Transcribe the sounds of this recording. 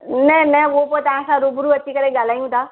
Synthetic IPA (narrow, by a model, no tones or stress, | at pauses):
nɛ̃nɛ̃ʋop̬ot̪aãsãɾobʊɾuɐtːʃʰikəɾẽɡaːlaːjũt̪ʰaː